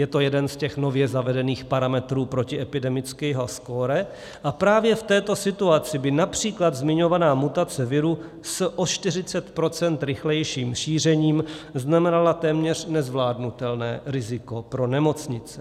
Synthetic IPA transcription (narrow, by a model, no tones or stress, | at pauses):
jɛt̪o̞jɛdɛnscɛxno̞vjɛzavɛdɛniːxpaɾamɛt̪ɾuːpɾo̞cɪʔɛpɪdɛmɪt͡skɛːɦoskoɾɛ | ʔapɾaːvjɛft̪ɛːt̪o̞sɪt̪uat͡sɪbɪnapr̝̥iːklad̪zmɪɲo̞vanaːmut̪at͡sɛvɪɾu | sʔot͡ʃt̪ɪr̝ɪt͡sɛt̪pɾo̞t͡sɛnt̪ɾɪxlɛjʃiːmʃiːr̝ɛɲiːmznamɛnalat̪ɛːmɲɛr̝̥nɛzvlaːdnut̪ɛlnɛ̰ːɾɪzɪko̞pɾo̞nɛmo̞t͡sɲɪt͡sɛ̥